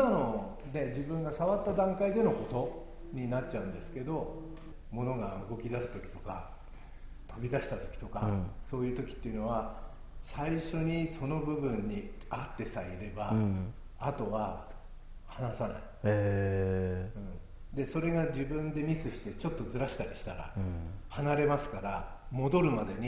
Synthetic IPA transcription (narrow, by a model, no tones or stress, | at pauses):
ano | ne̞d͡ʑibɯ̟̃ŋɡasaβat̪ːad̪ãŋkaid̪e̞no̞ko̞t̪o̞ | ɲ̟inat̚t͡ɕːaɯ̟̃nd̪e̞sɨ̥ke̞d̪o̞ | mo̞no̞ɡaɯɡo̞kʲid̪asɨ̥t̪o̞kʲi̥t̪o̞̥ka | t̪ʰo̞bʲid̪aɕi̥t̪at̪o̞kʲi̥t̪o̞ka̰so̞ːjɯ̟ːt̪o̞kʲi̥t̪ːeiɯ̟no̞βa | saiɕo̞ɲ̟iso̞no̞bɯ̟bɯ̟̃ɲ̟ːiat̪ːe̞saiɾe̞baː | t̪o̞βa | hanasana̰i | ɯ̟̃ɴ | d̪e̞so̞ɾe̞ɡad͡ʑibɯ̟̃nd̪e̞ɲʲisɨɕi̥t̪e̞t͡ɕo̞t̪ːo̞zɨɾaɕi̥t̪aɾʲiɕi̥t̪aɾa̰hanaɾe̞masɨ̥kaɾa | mo̞d̪o̞ɾɯ̟mad̪e̞ɲ̟i